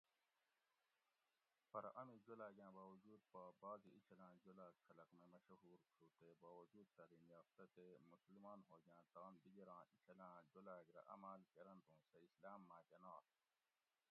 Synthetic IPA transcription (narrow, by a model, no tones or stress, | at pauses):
pɐɾʔɐmĩd͡ʒolaːɡʲãːbaːwɐd͡ʒuːd̪̚pɐbaːɡiit͡ʃʰɐlãːd͡ʒolaːkkʰɐlɐkmẽmɐʃɐɦuːɾkʰuːt̪ebaːwɐd͡ʒuːd̪̚t̪ɐɾiːnjaːft̪ɐt̪emuslimaːnɦoːɡãːt̪aːnb̪iɡɐɾãːit͡ʃʰɐlãːd͡ʒolaːɡɾɐ̰ʔɐ̰maːlkɐɾɐnt̪ũːseislaːmːãːd͡ʒɐnaːt̪